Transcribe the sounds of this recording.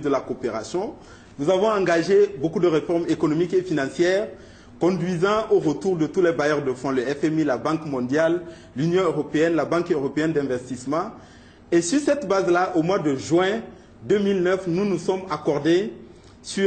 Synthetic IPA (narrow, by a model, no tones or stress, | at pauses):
d̪əlakopeʁasjɔ̃ | nuzavɔ̃ɑ̃ŋɡaʒebokud̪əʁefɔʁmekɔnɔmikefinɑ̃sjɛːʁ | kɔ̃d̪ɥizɑ̃oʁət̪uʁd̪ət̪ulɛbajœʁd̪əfɔ̃ləɛfɛmilabɑ̃kmɔ̃d̪jalː | ynjɔ̃øʁopeɛnlabɑ̃køʁopeɛnd̪ɛ̃vɛst̪ismɑ̃ | esyʁsɛt̪bazlaʔomwad̪əʒɥɛ̃ | d̪ømilnœfnunusɔmakɔʁd̪e | sy